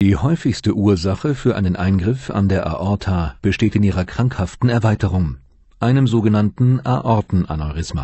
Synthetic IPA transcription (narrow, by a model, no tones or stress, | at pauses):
d̥iːhɔʏfɪçstəʔuːɐzaχəfyːɐʔa̰ɪnənʔaɪnɡʁɪfa̰ndeːɐʔa̰ʔɔɐtʰaːb̥əʃteːtɪniːʁɐkʁ̥aŋkhaftn̩ɛɐvaɪtəʁʊŋ | ʔaɪnəmzoːɡənantn̩ʔa̰ʔɔɐtn̩ʔa̰nɔʁɪsma̰ː